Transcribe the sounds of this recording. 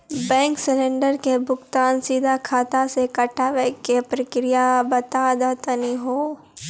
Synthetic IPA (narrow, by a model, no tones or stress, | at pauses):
bɛ̃ːŋksɪlẽːɳɖəɾkebʱʊɡt̪aːnsiːd̪ʱakʰaːt̪asekɐʈaʋekepɾəkɾijabɐt̪aːd̪at̪əniɦoː